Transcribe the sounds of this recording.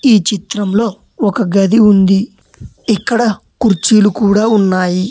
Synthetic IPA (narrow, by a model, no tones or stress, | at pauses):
iːt͡ʃit̪ɾɐmlo̞ː | ɔkɐɡɐd̪iund̪i | ikːɐɽɐ | kuɾt͡ʃiːlukuːɽaːunːaːji